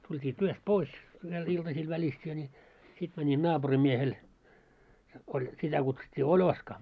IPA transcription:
tultʲiː tyøst pois ʋiel iltɑsĭl ʋælisteː nʲi sit mænʲin nɑːb̥urimːiehel olʲ sitæ kutsutʲːiː olʲoskɑ

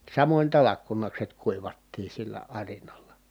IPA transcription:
sɑmonʲ tɑlɑkːunɑkset kuiʋɑtːiː silːæ ɑrinɑlːɑ

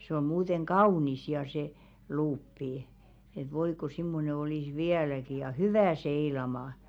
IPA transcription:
se om̆ muːteŋ kɑunis jɑ se luːpːi et ʋoi ko simːone oliˑs ʋiælæki jɑ hyʋæˑ seilɑmɑ

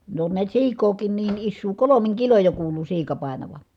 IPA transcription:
ne on niæt siːkˑoːkiːn niːn isːuː kolomiŋ kiloj jo kuːlu siːkɑ pɑˑenɑʋɑ

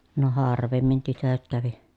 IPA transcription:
no hɑːrˑʋemːin tytøt kæʋi

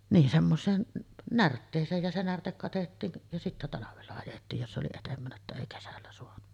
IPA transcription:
niːn semːoseːn nærtːeːsˑeːj jɑ se nærtek kɑtetːiːn jɑ sitːæ tɑlɑʋelːɑ ɑjetːiːj jos ʔoli etempænæ etːæ eˑi kesælːæ soɑnu

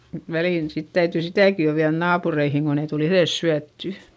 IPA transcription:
mut ʋæliˑn sit tæytyˑ sitæˑki jo ʋiæð nɑːpureihiŋ kon ei tul iθes syætːy

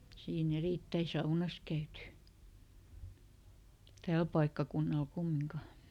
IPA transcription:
siːn eriˑtːæi sɑunɑs kæyty tæːl pɑikːɑkunːɑl kumːiŋkɑ

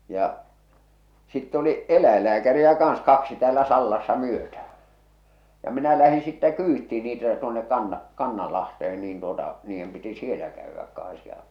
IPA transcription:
jɑ sitːe oli elæilːæːkæriæ kɑːɑ̃s kɑksi tæːlæ sɑlːɑsːɑ myøtæh̞æ̥ jɑ minæ læhĩː sitːɛ kyːtːiˑ niːtæ tuonek kɑnːɑ kɑnːɑlɑhtehen niːn tuotɑ niːjːem piti sielæ kæyʋːæk kɑ̃ːs jɑ

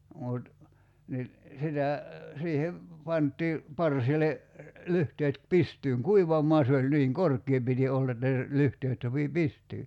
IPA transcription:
mut ni sitæ siːheʋ pɑntˑiː pɑrsile lyhteːt pistyːŋ kuiʋɑmˑoɑ se olʲ niːŋ korkˑie piti olːɑ etːæ lyhteːt sopi pistyː

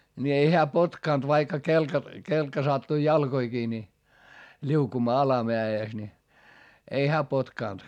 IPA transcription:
ni ei heæ potkɑˑnt ʋɑikːɑ kelkɑ kelkːɑ sɑtːui jɑlkoikiː ni lʲiukumɑː ɑlɑmeæeˑs ni ei hæː potkɑˑnt

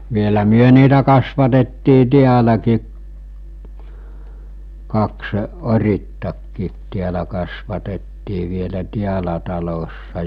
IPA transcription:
ʋielæ myø niːtæ kɑsʋɑtetːiː tiælæki kɑksə̆ oritːɑkːiːt tiælæ kɑsʋɑtetːiː ʋielæ tiælæ tɑlosːɑ

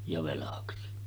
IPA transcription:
jɑ ʋelɑksi

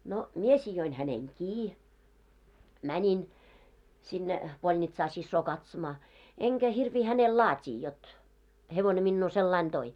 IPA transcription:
no mie sijoin hæneŋ kiː mænʲin sinːe polnitsɑː sisːoː kɑtsomɑː eŋkæ hirʋiː hænel lɑːtʲiː jot heʋone minːuː selːɑin toi

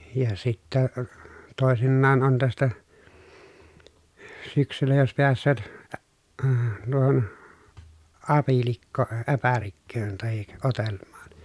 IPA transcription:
jɑ sitːæ toˑesinːɑːn on tæstæ syksylːæ jos peæsˑøːt æ əː tuohon ɑpilikːoː ʔæpærikːøːn tɑhik otelmˑɑːn̥

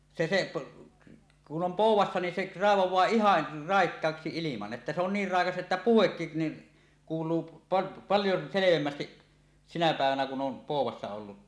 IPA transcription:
se se kun om poˑuwˑɑsːɑ ni seʔ rɑeʋowˑɑː ihɑn rɑˑekːɑːksi ilimɑn etːæ se on niːr rɑˑekɑs ʔetːæ puhekːin ni kuːlˑuː p pɑljo seleʋemːæstiʔ sinæ pæˑeʋænæ kun ʔom poˑuwˑɑsːɑ olːut

